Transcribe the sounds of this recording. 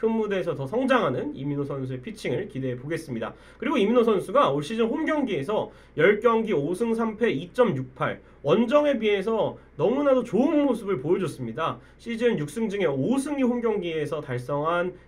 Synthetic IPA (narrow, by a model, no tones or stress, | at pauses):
kʰɯmːude̞ːsʰʌtʌsʰʌŋd͡ʑaŋɦanɯnḭminosʰʌns̬ʰue̞pʰit͡ɕʰiŋɯɭkide̞poɡe̞s͈ɯmɲida̰ | kɯɾiɡoiminos̬ʰʌnsʰuɡaoɭɕ͈id͡ʑɯnɸomɡjʌŋɡie̞sʰʌ | jʌɭk͈jʌŋɡiosʰɯŋsʰampʰe̞it͡ɕ͈ʌmjuk̚pʰa̰ɭ | wʌnd͡ʑʌŋe̞bie̞sʰʌnʌmunadot͡ɕoɯnomːosʰɯbɯɭpojʌd͡ʑʌs͈ɯmɲida | ɕʰid͡ʑiɯnjuk̚s͈ɯŋd͡ʑɯŋe̞osʰɯŋɡihomɡjʌŋɡie̞sʰʌtaɭs͈ʌŋɦan